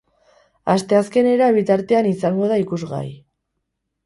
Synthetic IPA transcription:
ast̪e̞aske̞ne̞ɾaβ̞it̪aɾt̪e̞anisaŋɡo̞ð̞aikuzɣa̰j

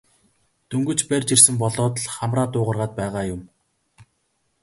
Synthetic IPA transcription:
t̪ʰɵŋɡɵ̆t͡ɕpærʲt͡ɕirsɘ̆mpɔɮɔːt̪̆ɮχamraːt̪ʊːʁə̆rʁaːt̪̚pæːʁaːjʊm

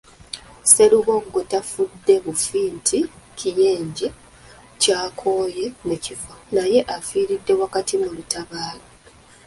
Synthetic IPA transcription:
se̞luβo̞ŋɡotafudːe̞βufiːntʰicʰije̞ːɲɟe | caːkʰo̞ːje̞mucifanaje̞ʔafiːɾidːe̞wakatimulutaβaːlo

